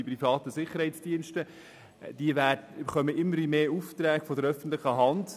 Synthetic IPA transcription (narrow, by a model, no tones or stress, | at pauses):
ipɾifɑːt̪əsɪχːəɾhɛɪtsd̥iənʃtə | d̥iəvæːdbχœməʔɪmːəɾimeːuft̪ɾæːɡfodəɾœfən̩tlɪχəɦɑnd